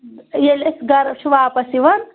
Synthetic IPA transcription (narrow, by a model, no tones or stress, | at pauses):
jelesɡɐɾʃʰuʋaːpɐsiʋɐn